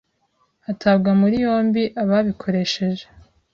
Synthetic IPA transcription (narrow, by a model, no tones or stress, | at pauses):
atʰabɡamuɾijo̞ːmbiʔaβaβikʰo̞ɾe̞ʃe̞ʒe